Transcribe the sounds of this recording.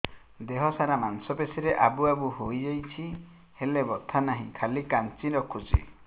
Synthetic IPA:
d̪eɦɔsaɾamansɔpesiɾeʔabuabuɦojd͡ʒajt͡ʃʰi | helebɔt̪ʰanaɦĩkʰalikant͡ʃiɾɔkʰut͡ʃḭ

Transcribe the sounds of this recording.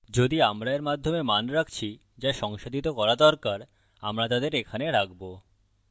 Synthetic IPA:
d͡ʑod̪iamɾaeɾmad̪ʱːomemanɾakʰt͡ɕʰi | d͡ʑaʃɔŋʃod̪ʱit̪okɔɾad̪ɔɾkaɾ | a̰mɾat̪ad̪eɾekʰaneɾak̚bo

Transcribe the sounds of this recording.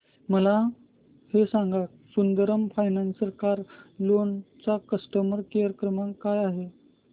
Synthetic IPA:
məla | hesãŋɡak̚ | sund̪əɾəmfajnansəɾkaɾlont͡sakəsʈəməɾkeəɾəkɾəmakajaɦe

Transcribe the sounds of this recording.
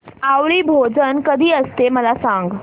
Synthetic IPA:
aʋɭiːbʱod͡zənkəd̪ʱiːəst̪eməlasãŋɡ

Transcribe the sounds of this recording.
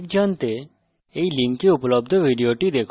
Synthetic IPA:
k̚d͡ʒant̪e | eilĩŋkkeupləb̚d̪ʱəʋiɖijoʈid̪ekʰ

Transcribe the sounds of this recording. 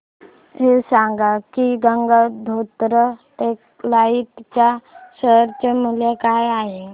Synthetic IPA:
ɦesaŋɡakiɡəŋɡad̪ʱot̪ɾət̪ek | lait̪t͡ɕasəɾt͡ɕemuljekajaɦe

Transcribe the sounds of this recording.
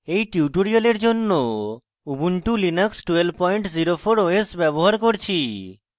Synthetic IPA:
ejʈiuʈoɾijoleɾd͡ʑonːo | ubuɳʈulinəksʈuelpɔjɳʈziɾopʰoɾoesbɛboɦaɾkoɾt͡ɕʰi

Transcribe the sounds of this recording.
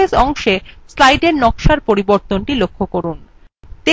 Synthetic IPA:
esɔŋʃeslajɖeɾnɔkʃaɾpoɾiboɾt̪onʈilokʰːokoɾun | t̪e

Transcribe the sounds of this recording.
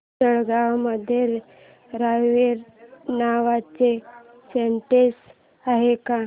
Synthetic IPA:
əɭɡawməd̪ʱjeɾ | ɾajʋeɾnaʋat͡se | seɳʈes | aɦeka

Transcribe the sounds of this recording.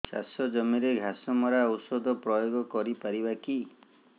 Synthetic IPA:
sa̰sɔd͡ʒɔmiɾeɡʱasɔmɔɾaɔwsɔd̪ʱɔpɾɔjoɡɔkɔɾipaɾibaki

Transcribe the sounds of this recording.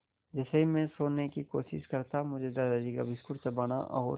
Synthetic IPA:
d͡ʒɛseɦimẽsoːnekikoːʃɪ̰ʃkɐɾt̪amʊd͡ʒʱed̪aːd̪ad͡ʒika̰bɪskʊɾsebɐña̰ʔɔ̰ːɾ

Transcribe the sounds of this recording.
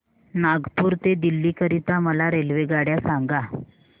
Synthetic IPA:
naɡpuːɾt̪ed̪ilːiːkəɾit̪aməlaɾelʋeɡaɽjasaŋɡa

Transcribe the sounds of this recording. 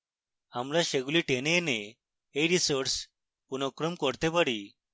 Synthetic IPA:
amlaɕeɡuliʈenene | eɾisəɾs | punokɾəmkɔɾt̪ebəɽi

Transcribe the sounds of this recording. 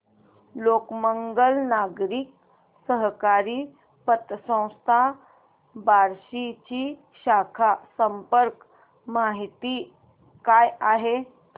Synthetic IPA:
lokməŋɡəlnaɡɾiːk̚ | səɦkaɾiː | pət̪əsə̃w̃st̪ʰa | baɾɕit͡ɕiː | ɕakʰasəmpəɾk | maɦit̪iː | kajaɦe

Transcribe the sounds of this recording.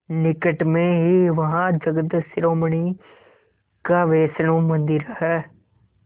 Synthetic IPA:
nɪkəʈmẽːɦiːʋəɦãːd͡ʒəɡəd̪sɪɾoːməɳiː | kaːʋeːsnũːmənd̪iɾɦɛː

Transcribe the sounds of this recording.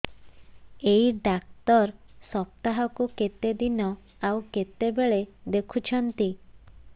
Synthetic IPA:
eiɖakt̪ɔɾsɔp̚t̪aɦɔkuket̪ed̪inɔ | awket̪ebeɭed̪ekʰut͡ʃʰɔnt̪i

